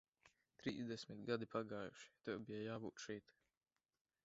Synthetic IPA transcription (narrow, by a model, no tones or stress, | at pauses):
t̪ɾiːzd̪ɛsʲmit̪ɡad̪ipaɡaːjṵʃi̥t̪ɛwbijajaːbṵːt̪ʃɛjt̪